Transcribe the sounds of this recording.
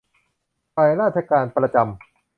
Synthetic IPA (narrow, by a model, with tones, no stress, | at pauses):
pa˧jɾaː˥˩t̪̚t͡ɕʰa˧kaː˧npɾa˧t͡ɕa˧m